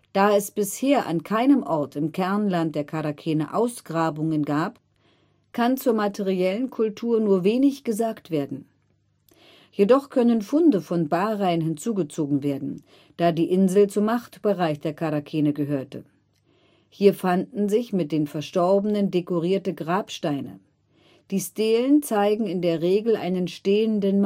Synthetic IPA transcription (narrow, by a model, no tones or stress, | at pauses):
d̥aːɛsb̥ɪsheːɐʔa̰nkʰaɪnəmʔɔɐtɪmkʰɛɐnlant̚d̥eːɐkʰaʁakʰɛːnəʔaʊsɡ̥ʁaːbʊŋənɡaːp | kʰant͡suːɐmatʰeʁiɛlənkʰʊltʰuːɐnuːɐveːnɪçɡ̥əzaːktv̥eːɐdn̩ | jedɔχkʰœnənfʊndəfɔnbaːʁaɪənɦɪnt͡suːɡət͡soːɡŋ̩veːɐdn̩ | d̥aːdiːʔɪnzl̩t͡sʊmːaχtb̥əʁaɪçd̥eːɐkʰaʁakʰeːnəɡəɦøːɐtə̰ | hiːɐfandn̩zɪçmɪt̚d̥eːnfɛɐʃtɔɐbənəndekoʁ̞iːɐtəɡʁaːpʃtaɪnə̰ | d̥iːsteːlənt͡saɪɡŋ̩ɪndeːɐʁeːɡl̩ʔa̰ɪnənʃteːəndənm